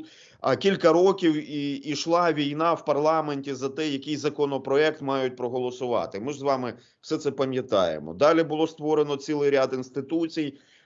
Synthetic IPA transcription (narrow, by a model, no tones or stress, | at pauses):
ɐ̰kʲilʲkɐɾɔkʲiwiiʃlˠɑʋʲijnɑwpɐrlˠɑmenʲtʲizɐt̪ɛjɐkɪjzɐkɔnɔpɾɔɛk̚t̪mɑjʊt̚ʲpɾɔɦɔlˠɔsʊʋɑ̰t̪ɪmɪʒzʋɑmɪ | wsɛt̪sɛpɐmʲjɐt̪ɑ̰jḛmɔ̰d̪ɑlʲibʊlˠɔst̪ʋɔɾenɔt͡sʲilˠɪjɾʲad̪ɪnst̪ɪt̪ut͡sʲij